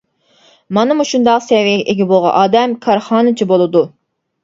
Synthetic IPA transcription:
mɑnɨmuʃund̪ɑqsɛwiɡʲɛʔeɡʲɛbolˠʁɑ̰ʔɑːd̪ɛmkʰɑɾχɑːnɨt͡ʃʰibolˠɨd̪u

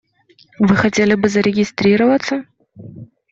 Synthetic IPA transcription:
vɨxɐtʲelʲɪbɨzɐɾʲɪɡʲɪst̪ɾʲiɾəvɐt̪sə

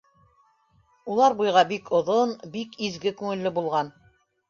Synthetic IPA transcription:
ulˠɑɾbujʁɑbikʰŏðonbikizɡɘkʉŋɘ̆lːɘbulˠʁɑn

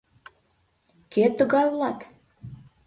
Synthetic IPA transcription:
kʲet̪ːə̆ɣɑjulˠɑt̪

